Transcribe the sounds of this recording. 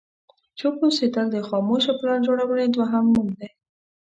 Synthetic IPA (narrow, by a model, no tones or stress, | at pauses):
t͡ʃokosed̪əld̪əxɑmoʃoplɑnd͡ʒoɽawəned̪waɦamːumd̪e